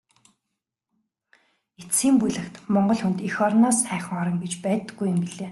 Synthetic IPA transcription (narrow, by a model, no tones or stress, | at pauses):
et͡siːmpujɮɘ̆kt̪mɔɴɢɞ̆ɮxunt̪ixɔɾnɔːsχæːχə̆ŋɔɾɞ̆ŋɡet͡ɕpæːt̪ːə̆ɡujɪ̆mpiɮeː